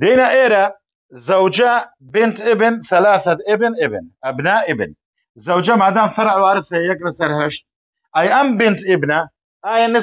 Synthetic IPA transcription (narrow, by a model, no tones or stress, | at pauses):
d̪iːnaʔeːɾa | zawd͡ʒa | bɪnt̪ʔɪbnθalaːθaʔɪbnʔɪbnʔabnaːʔʔɪbn | zawd͡ʒamad̪aːmfɑɾˤʕwʕaɾˤfajaklasaɾˤɦaʃt̪̚ | ʔajʔambɪnt̪ʔɪbna | ʔaːjanːɪ